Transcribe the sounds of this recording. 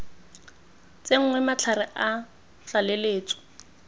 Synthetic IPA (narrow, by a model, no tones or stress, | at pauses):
t͡seŋ̩ŋwɛmat͡ɬʰarɪʔa | t͡ɬaleleːt͡sʼɔ̥